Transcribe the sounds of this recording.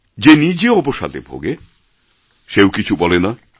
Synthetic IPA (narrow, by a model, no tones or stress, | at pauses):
d͡ʑenid͡ʑeɔpoʃa̰d̪ebʱo̰ɡe | ʃewkit͡ɕʰubɔlena